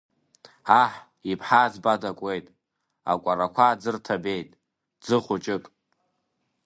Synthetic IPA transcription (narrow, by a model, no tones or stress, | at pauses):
aħ | ipʰħaːzbadakʷʼe̞jtʼ | a̰kʷʼaɾakʷʰaːd͡zɨrtʰabe̞jtʼ | d͡zɨχʷʊt͡ʃʼɪkʼ